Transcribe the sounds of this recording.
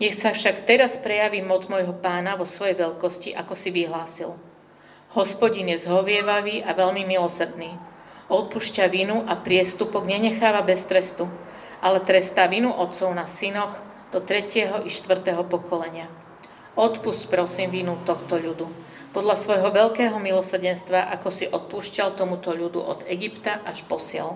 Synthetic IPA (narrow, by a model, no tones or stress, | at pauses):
ɲɛxsafʃakt̪ɛɾaspɾɛjaʋiːmɔd͡zmɔjɦɔpaːnaʋɔsʋɔjɛjʋɛʎkɔsciʔakɔsiʋiɦlaːsil | hɔspɔɟinjɛzɦɔʋɪɛʋaʋiːʔaʋɛʎmimilɔsɾd̪niː | ɔt̪̚puʃcaʋinuʔapɾɪɛst̪upɔɡɲɛɲɛxaːʋabɛst̪ɾɛst̪u | ʔalɛt̪ɾɛst̪aːʋinuʔɔt̪t͡sɔʊnasinɔɣ | d̪̥ɔt̪ɾɛcɪɛɦɔʔiʃt̪ʋr̩t̪ɛɦɔpɔkɔlɛɲɪa | ɔt̪puscpɾɔsiːmʋinut̪ɔxt̪ɔʎud̪u | pɔd̪ʎasʋɔjɦɔʋɛʎkɛːɦɔmilɔsr̩ɟɛnst̪ʋaʔakɔsiʔɔt̪̚puːʃcalt̪ɔmut̪ɔʎud̪ṵʔɔ̰d̪ɛɡipt̪aʔaʃpɔsɪɛ̰l